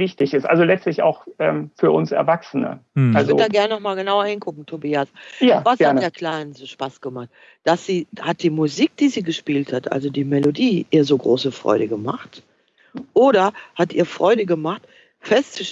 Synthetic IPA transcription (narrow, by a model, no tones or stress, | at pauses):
vɪçtɪçɪsʔa̰lzolɛt͡stlɪça̰ʊxʔɛːmfyːɐʔʊnsɛ̰ɐvaksənə̰ɪallvzʏɐodaːɡɛɐnənɔχmaːlɡənaʊɐhɪnkʰʊkŋ̩tʰobiːasjaːvasɡ̥ɛaɐnədeːɐkʰl̥aɪnənsoʃpasɡ̥əmaχt̚ | d̥asz̥iːhat̚d̥iːmuziːk̚d̥iːziːɡəʃpiːlthatʔa̰lzodiːmɛlodiːʔiːɐzoːɡʁoːsəfʁ̥ɔ̰ʏɾəɡəma̰χt | ʔoːɾɐhatʔiːɐfʁ̥ɔʏɾəɡəmaχt | fɛstt͡suʃ